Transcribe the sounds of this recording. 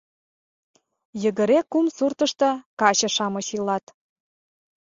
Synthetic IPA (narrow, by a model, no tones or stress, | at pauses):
jə̆ɣə̆ɾekːumsurt̪ə̆ʃt̪ɤ̆kɑɕɤ̆ʃɑmɤ̆ɕilɑt̪